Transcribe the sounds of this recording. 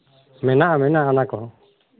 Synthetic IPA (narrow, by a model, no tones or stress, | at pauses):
mɛnaʔamɛnaʔanakɔ